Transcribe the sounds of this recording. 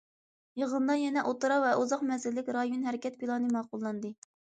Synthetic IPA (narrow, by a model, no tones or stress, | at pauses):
jəʁənd̪ɑjɛnɛʔot̪ɨɾɑvɛʔuzɑqmɛzɪllːɪkʲɾɑjonɦɛɾɪkʲɛt̪̚pilˠɑnɨmɑːqʊlˠːɑnd̪ɨ